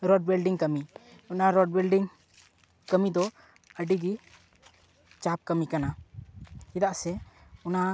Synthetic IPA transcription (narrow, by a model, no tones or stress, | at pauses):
ɾɔɖ̚bɛlɖiŋkəmi | ɔnaɾɔɖ̚wɛlɖiŋ | kəmid̪ɔ | əɖiɡi | t͡ʃap̚kəmikana | id̪aʔsɛɔna